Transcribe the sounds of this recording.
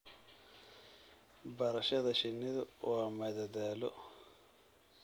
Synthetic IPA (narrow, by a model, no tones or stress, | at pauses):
bɐɾɐʃɐðɐʃɪnːɪðʊwaːmɐðɐðaːlɔ̰